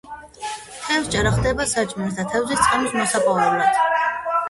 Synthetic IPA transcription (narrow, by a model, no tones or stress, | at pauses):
t̪ʰɛvst͡ʃʼaɾaχd̪ɛbasat͡ʃʼmnsd̪at̪ʰɛvzist̪sʼqʼɛmismɔsapʼɔvɛblˠad̪̥